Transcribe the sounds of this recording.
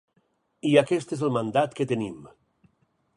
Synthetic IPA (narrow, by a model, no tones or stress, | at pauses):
iakɛst̪ezəlˠmand̪at̪kət̪ənim